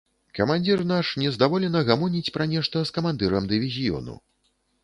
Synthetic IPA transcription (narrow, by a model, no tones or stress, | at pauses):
kɐmanʲd͡zʲirnaʂnʲɛzd̪avɔlʲɛnɐɣamɔnʲit͡sʲpɾɐnʲɛʂt̪ɐskɐmand̪ɨɾɐmd̪ɨvʲizʲijɔ̰nṵ